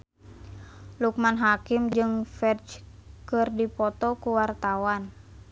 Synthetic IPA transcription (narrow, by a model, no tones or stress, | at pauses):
luk̚manɦakimd͡ʒɨŋfɛt͡ʃkɨrdipɔt̪ɔkuwart̪awan